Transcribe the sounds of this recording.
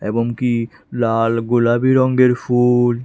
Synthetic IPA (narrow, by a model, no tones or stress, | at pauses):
eboŋki | lalɡulabiɾɔŋɡeɾfʰul